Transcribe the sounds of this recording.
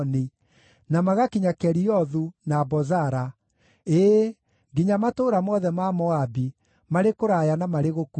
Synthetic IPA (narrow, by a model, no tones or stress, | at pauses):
ni | namaɣakiɲakɛɾiɔðunabɔzaɾa | e | ɡiɲamatoɾamɔðɛmamɔabi | maɾekoɾajanamaɾeɣok